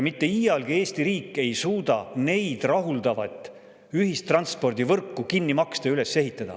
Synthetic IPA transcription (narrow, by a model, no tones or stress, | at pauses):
mit̪ːe̞iːjɑlɡ̥ie̞ːst̪iɾiːkːˑe̞jsuːd̪ɑne̞jd̪̥rɑɦuld̪̥ɑvɑt̪ˑː | yɦist̪rɑnt̪spo̞rd̪̥ivɤrkːukinːimɑkst̪eyle̞sːe̞ɦit̪ːˑɑd̪̥ɑ̰